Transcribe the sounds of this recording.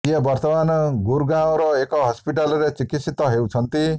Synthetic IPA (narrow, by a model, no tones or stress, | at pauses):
ijʌbʌrt̪ʌmanɡuɾɡãoɾoekʌɦʌspiʈalɾet͡sikit̪sit̪ːʌɦewt͡sʰʌnt̪i